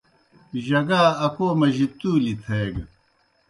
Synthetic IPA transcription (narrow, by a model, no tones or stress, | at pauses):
ʑɐɡaːɐkoːmɐʑit̪uːlit̪ʰeːɡ